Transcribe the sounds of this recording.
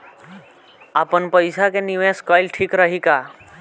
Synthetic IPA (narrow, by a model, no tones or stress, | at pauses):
apənpəjsakeniʋeskɔjlʈʰiːkɾəɦika